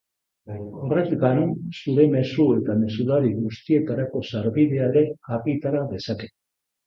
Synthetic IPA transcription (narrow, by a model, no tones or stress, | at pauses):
orek̪ɡanunsuɾe̞me̞sue̞t̪ame̞suðaðiɣust̪ie̞t̪aɾako̞saɾβiðe̞aɾe̞ɣakit̪aɾaðe̞sake̞̥